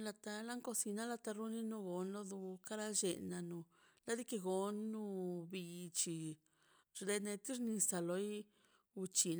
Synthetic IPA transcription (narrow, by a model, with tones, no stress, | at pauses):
la˧t̪a˧la˦ŋko˧si˧na˦la˧t̪a˧ɾu˦ni˦nu˧ɡo˧nlo˦d̪u˧ka˦ɾa˦d͡ʒe˨na˧nu˧ | la˦d̪i˦ke˧ɡo˧nːu˧bi˧t͡ʃi˨ | ɾd̪e˧ne˧t̪i˦ɾni˧sa˧lo˧˦j | u˧t͡ʃi˨n